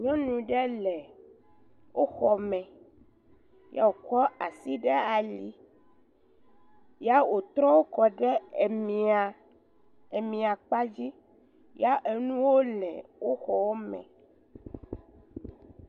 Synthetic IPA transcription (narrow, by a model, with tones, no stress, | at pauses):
ɲɔ̃˦nũ˨ɖɛ˦lɛ˨ | wo˦xɔ˨mɛ̃˨ | ja̰˦wo˨kɔ˦a˨si˦ɖɛ˦a˨li˦ | ja˦wo˨t̪ɾɔ˦wo˦kɔ˨ɖɛ˦˨mĩ˨a˨ | e˨mĩ˨a˨k͡pa˦d͡ʑi˦ | ja˦ʔe˨nũ˦wo˦lɛ̰̃˨wo˦xɔ˨wo˦mɛ̰̃˨